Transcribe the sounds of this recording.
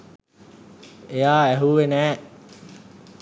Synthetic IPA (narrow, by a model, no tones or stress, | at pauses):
ejaːæɦuːʋenɛː